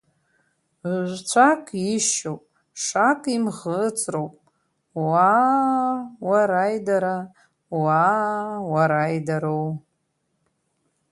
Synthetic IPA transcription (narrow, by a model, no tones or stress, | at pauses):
ʒʷt͡ʃʷʰakʼiʃowpʼ | ʂakʼimʁət͡sʼrowpʼ | wa | waɾajdaɾa | wawaɾajdaɾow